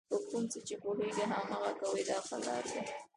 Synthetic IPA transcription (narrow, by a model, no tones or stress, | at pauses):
əkunset͡ʃepoɦeɡiɦamaɣakawəjd̪ɑxa̰lɑ̰ɾd̪a